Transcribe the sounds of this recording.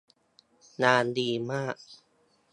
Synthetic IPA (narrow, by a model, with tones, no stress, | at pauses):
naː˧ndiː˧maː˥˩k̚